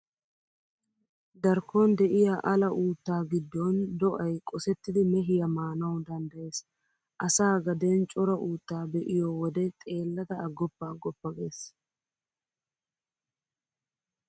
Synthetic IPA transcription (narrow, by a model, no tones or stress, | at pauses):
d̪ɐɾkond̪ɛʔɪjɐʔɐlɐʔuːt̪ːaːɡɪd̪ːɔnd̪ɔʔɐjkʼɔsɛt̪ːɪd̪ɪmɛɦɪjɐmaːnɐwd̪ɐnd̪ɐʔe̞ːs | ʔɐsaːɡɐd̪e̞ːnt͡ʃʼɔɾɐʔuːt̪ːaːbɛʔɪjoːwɔd̪ɛt̪ʼe̞ːlːɐt̪ɐɐɡːɔpːɐːɡːɔpːɐɡe̞ːs